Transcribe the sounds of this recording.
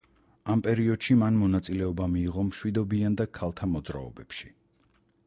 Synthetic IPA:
ampʼɛɾiɔd̪̥ʃimanmɔnat̪sʼilɛɔbamiːʁɔmʃwid̪ɔbiand̪akʰalˠt̪ʰamɔd̪zɾa̰ɔ̰bɛpʃi̥

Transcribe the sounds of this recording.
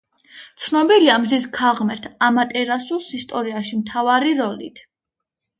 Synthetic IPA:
t̪sʰnɔbiliamzis̬kʰaʁmɛɾt̪ʰamat̪ʼɛɾasulˠsist̪ʼɔɾiaʃimt̪ʰavaɾiɾɔlḭt̪ʰ

